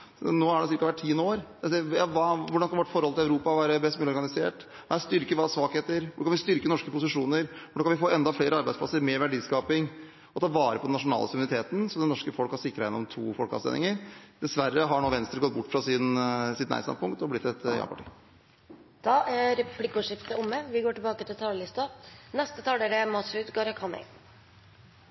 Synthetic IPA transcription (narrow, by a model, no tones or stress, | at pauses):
noːæɖɛsɪɾkɑʋæʈʈʰiːnːəoːɾsjɑʋɑːʋʊɖɑnskɑnʋɪʋɔʈfɔɾɔlt̪ɪlæʉɾuːpɑʋæːɾəbɛst̪mɛːlɪɔɾɡɑnɪsḛːʈ | nst̪ʏɾkəʋɑːsʋɑːkheːt̪əɾʋʊkɑnʋɪst̪ʏɾkənɔʂkəpʊsɪʂuːnəɾɔnɖoːkɑnʋɪfoːɛnd̪ɑfleːɾəɑɾbæɪdsplɑ̰səɾmɛʋæɖiːskɑːpɪŋ | ɔt̪ʰɑːʋɑːɾəpʰɔd̪ɛnɑʂʊnɑ̰ːləsʊmʉnɪt̪ʰeːt̪nsɔd̪ɛnːɔʂkəfɔlkhɑɾʂɪkːɾɑjɛnːɔmt̪ʰṵːfɔlkɑ̰sḛːnɪ̰ŋəɾd̪̥ɛsʋærəɦɑɳoːʋɛnst̪ɾəɡɔt̪̚bʊʈːfɾɑsɪnsɪt̪næ̰ɪst̪ɑ̰npʊŋkt̪ɔblɪt̪ːɛt̪jɑ̰ːpʰɑ̰ʈḭː | d̪̥ɑːʔæɾɛpʰlɪkːʊʂɪft̪əʊmːəʋɪɡoːʈɪlbɑːkət̪ʰɪlt̪ʰɑːləlɪst̪ɑnɛst̪ət̪ʰɑːləɖɛmɑsʉt̪ɡɑɾɑkʰɑnɛ̰ɪ